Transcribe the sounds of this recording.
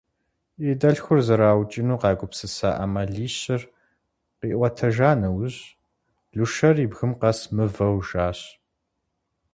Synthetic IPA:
edɐɬxʷʊrzɨɾaːwt͡ʃʼɪnuːqɑːɡʷʊpsɨsa̰ːʔɐmɐɮiːɕɪr | qiːʔʷɐtʰɐʒaːnɐwʑ | ɮuʃɐriːbɣɨmqɐsmɨvɐwʒaːɕ

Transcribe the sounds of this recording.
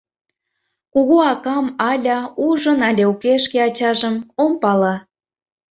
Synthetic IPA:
kuɣoɑkɑmɑlʲɑuʒənɑlʲeukeʃkeɑt͡ɕɑʒə̆mompɑlɑ

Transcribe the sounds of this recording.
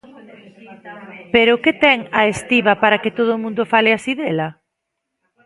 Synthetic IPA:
peɾʊket̪ɛŋɐest̪iβɐpaɾakɪt̪oð̞ʊmũnd̪ʊfalɪasiðelɐ

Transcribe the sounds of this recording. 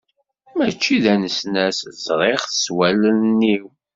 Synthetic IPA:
mæt͡ʃːiðænəsnæszʁeχθəswælənnːiw

